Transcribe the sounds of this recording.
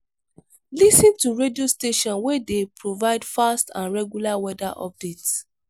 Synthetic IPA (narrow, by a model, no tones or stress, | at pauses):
lisĩntuɹediosteʃɔ̃nwɛdepɹovaɪdfastã̰nɹɛɡjulawɛdaʔɔ̰p̚dit